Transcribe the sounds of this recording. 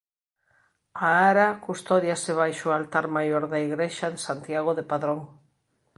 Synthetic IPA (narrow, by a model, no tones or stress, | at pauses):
aaɾakust̪ɔðjaseβ̞ajʃoalt̪aɾmajoɾðaiɣɾeʃaẽnsant̪jaɣ̞oðepaðɾoŋ